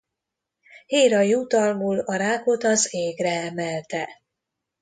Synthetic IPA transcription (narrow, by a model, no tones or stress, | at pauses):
heːɾɒjuːt̪ɒlmuːlɒɾaːko̞t̪ɒzeːɡrɛɛmɛlt̪ɛ